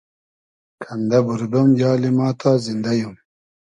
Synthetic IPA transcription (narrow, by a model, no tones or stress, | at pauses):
kʰɐnd̪ɐbuɾd̪ɐmjɑːlimɑːt̪ʰaːzind̪ɐjum